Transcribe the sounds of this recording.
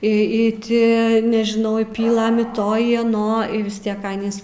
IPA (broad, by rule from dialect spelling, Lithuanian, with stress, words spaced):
ɪ ɪ ˈtʲɪ nʲɛʒʲɪˈnɐʊ ɪ ˈpʲiːlˠɘm ɪ ˈtoː ɪ ɐˈnoː iː ʋʲɪs ˈtʲiɛk ˈɑːnʲiːs